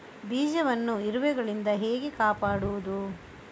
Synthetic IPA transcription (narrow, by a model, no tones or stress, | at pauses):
biːd͡ʒɐʋɐnːuiɾuʋɛɡɐɭind̪ɐɦeːɡekaːpaːɽuʋud̪u